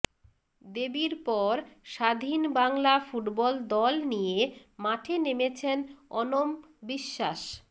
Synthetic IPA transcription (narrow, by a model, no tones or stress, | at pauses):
d̪ebiɾpɔɾʃad̪ʱinbaŋlafuʈbɔld̪ɔlnijemaʈʰenemet͡ɕʰenɔnom | biʃːaʃ